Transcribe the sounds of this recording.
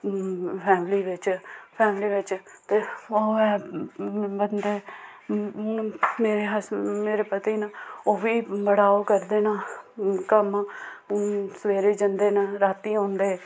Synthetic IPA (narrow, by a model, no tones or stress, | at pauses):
pʰɛːmliːʋɪt͡ʃpʰɛːmliːʋɪt͡ʃt̪eːəoɛː | bənd̪eː | meːɾeːɦəsmeːɾeːpət̪iːnaoːʋiːbəɽaːoːkəɾd̪eːnaːkəm | səʋeːɾeːd͡ʒənd̪eːnaɾaːt̪iːõːnd̪eː